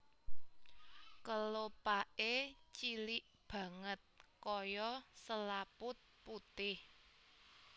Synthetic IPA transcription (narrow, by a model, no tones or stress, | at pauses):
kəlopaʔet͡ʃilɪʔ | b̥ä̤ŋət̪̚kɔjɔsəlapʊt̪̚put̪ɪh